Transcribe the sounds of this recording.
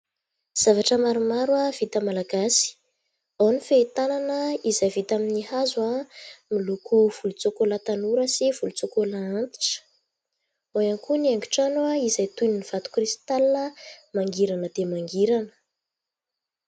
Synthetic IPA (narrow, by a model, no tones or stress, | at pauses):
z̥avaʈ͡ʂəmaɾumaɾuav̥it̪əmalaɡasi̥ | anifeit̪ananəizajvit̪aminihazwamilukuv̥ulut͡sokolat̪anuɾəsiv̥ulut͡sokolaant̪i̥ʈ͡ʂə̥ | ojaŋkuniaŋɡu̥ʈ͡ʂanwaizajt̪uniniv̥at̪u̥krist̪alinəmaŋɡiɾanəd̪̥emaŋɡiɾanə̥